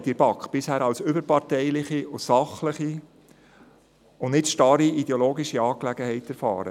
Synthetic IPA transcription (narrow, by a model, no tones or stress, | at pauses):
tɪɾb̥ɑkχb̥ɪshæːɾɑlsʏbəɾpɑɾtɛɪlɪχiʊsɑχləχi | ʊnnɪtʃtɑɾiid̥ɛoloːɡiʃiɑːklæɡ̥əhɛɪtɛɾfɑ̰ːɾə̰